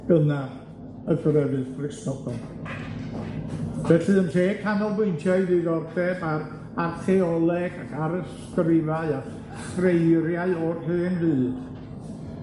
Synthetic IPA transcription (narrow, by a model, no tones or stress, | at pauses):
ɡ̥əna | əɡrəvɨðbrɪsnɔbɔn | vɛɬɨənɬeːkʰanɔlˠvwejntʰjaðɨɡɔrdɛbar | arθʰɛɔlˠɛɡaɡaɾəs | krɪvaɨa | frejɾjaɨɔrhɨːnðɨːd